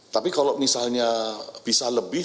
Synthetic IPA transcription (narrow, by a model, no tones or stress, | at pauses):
t̪apikalawmisalɲab̥isaləbɪ